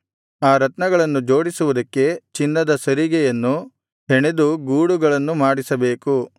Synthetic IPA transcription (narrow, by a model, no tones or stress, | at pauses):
aːɾɐt̪nɐɡɐɭɐnːud͡ʒo̞ːɽisuʋud̪ɐkːe̞t͡ʃinːɐd̪ɐsɐɾiɡɛjɐnːu | ɦeɳed̪uɡuːɽuɡɐɭɐnːumaːɽisɐbe̞ːku